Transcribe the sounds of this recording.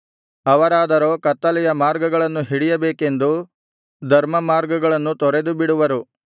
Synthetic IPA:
ɐʋɐɾaːd̪ɐɾo̞ːkɐt̪ːɐlɛjɐmaːɾɡɐɡɐɭɐnːuɦiɽijɐbeːke̞nd̪u | d̪ʱɐɾmɐmaːɾɡɐɡɐɭɐnːut̪ɔɾed̪ubiɽuʋɐɾu

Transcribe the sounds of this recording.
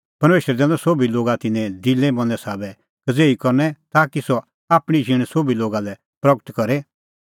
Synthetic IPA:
pɐɾmeːʃɾɛd̪ɛ̃ːd̪ɔsobiloːɡat̪ɪnɛ̃d̪ɪlːɛ̃mɐ̃nɛsaːbɛ | kɐd͡zeːikɔɾnɛt̪aːkisɔ | aːpɽ̃id͡ʒʱɪɽ̃sobiloːɡalɛ | pɾɐɡət̪kɐɾe

